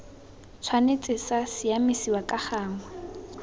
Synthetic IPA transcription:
t͡sʰwanet͡sʼɪsasɪamisiwakʼaχaːŋwa

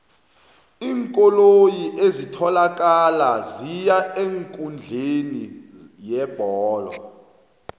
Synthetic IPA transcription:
iːŋkʼolojiʔezitʰɔlak̬ʼalazijaeŋkʼund͡ɮʱeni | jɛb̥ʱɔːlɔ̰

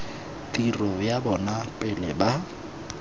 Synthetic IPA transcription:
tʼirɔjabɔnapʼɪlɛba

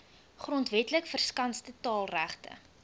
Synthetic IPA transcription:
χrɔntvɛtləkfərskɐnstətɑːlˠræχtə̰

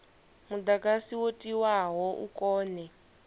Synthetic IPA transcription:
mud̪akʼasiwotʼiwaɦɔʔṵkʼɔːnɛ

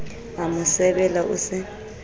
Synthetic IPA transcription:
amʊsɛbɛlaʔʊ̰sɪ

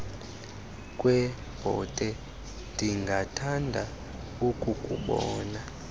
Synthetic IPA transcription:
kʼwɛ | b̥ʱɔ̰tʼɛ | ndʱiŋɡʱatʰandʱa | ukʼukʼṵɓɔːna

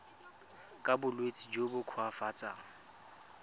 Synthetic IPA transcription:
kʼabʊlwet͡sʼid͡ʒobʊkʰwafat͡sʼaːŋ̩

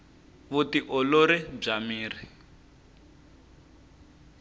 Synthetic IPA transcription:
βutiʔɔloɾɛb͡ʐamiːri

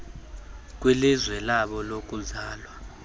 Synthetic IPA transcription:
k̬ʼwɛlizwɛlaɓɔlok̬ʼuzaːlwa

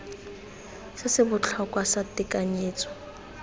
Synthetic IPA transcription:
sɪsɪbʊt͡ɬʰɔkʼwasatɪkʼaɲeːt͡sʼɔ̥

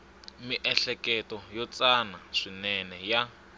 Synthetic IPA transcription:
miʔɛɬɛkɛtɔjɔt͡sanaʂinɛnɛja

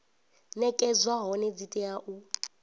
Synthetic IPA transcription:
nɛkʼɛzwaɦɔnɛd͡zitʼɛaʔu

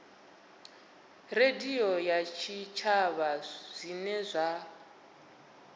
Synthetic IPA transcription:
rediɔjat͡ʃʰit͡ʃʰaβaz̥inɛzʷa

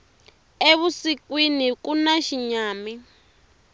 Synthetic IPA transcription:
eβusikwinikunaʃiɲaːmi

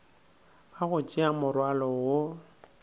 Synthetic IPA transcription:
aɣʊt͡ʃʼiamʊrwalɔwʊ

